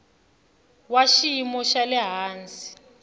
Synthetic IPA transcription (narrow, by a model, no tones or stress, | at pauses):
waʃimɔʃalɛɦaːnd͡zi̥